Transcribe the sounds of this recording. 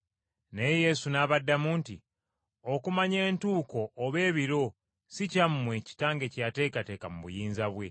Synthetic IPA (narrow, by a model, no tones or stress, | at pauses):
nejeje̞sunaːβadːamuːnti | okumaɲe̞ːntuːko̞ʔːβe̞ːβiɾo̞ | sicammwe̞ci̥taːŋɡe̞cate̞ːkate̞ːkamuβṵjiːnzaβwe̞